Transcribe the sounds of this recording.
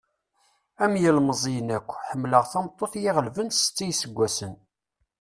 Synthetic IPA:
æmjəlməzˤijənækʷːħəmːləʁθɑmt̪ˤːoθjɪʁəlvənt̪st͡sːijsəɡʷːæsən

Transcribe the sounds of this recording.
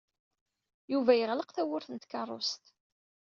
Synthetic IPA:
juvæjəʁləqθæwʊɾθənt̪kɑrˤːo̰st̪

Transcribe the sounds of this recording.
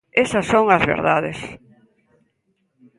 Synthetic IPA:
esɐsːoŋɐzβḛɾðaðes

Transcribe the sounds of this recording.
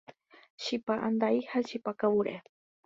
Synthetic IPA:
ʃipaʔand̪aihaʃipakawuɾḛ

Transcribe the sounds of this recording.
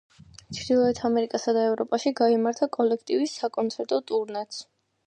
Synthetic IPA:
t͡ʃʰɾd̪ilˠɔɛt̪ʰamɛɾikʼasad̪aɛvɾɔpʼaʃiɡaimaɾt̪ʰakʼɔlɛkʰt̪ʼivisːakʼɔnt̪sʰɛɾt̪ʼɔt̪ʼuɾnɛt̪s

